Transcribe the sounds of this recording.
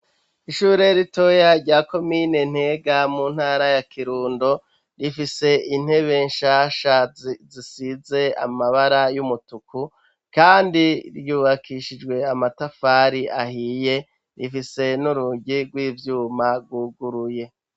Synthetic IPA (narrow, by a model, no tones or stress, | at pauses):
iʃuːɾe̞ɾito̞jaɾɟaːko̞mine̞n̥he̞ɡamuːn̥haːɾajakʰiɾuːndo̞ | ɾifise̞ʔin̥he̞βe̞nʃaːʃazisize̞a̰maβaɾajumutuku | kaːndiɾjuːβakʰiʃid͡ʒɡwe̞amatafaːɾiʔahiːje̞ | ɾifise̞nuɾuɟiɡwiːvjuːmaɾɡwuːɡuɾuje̞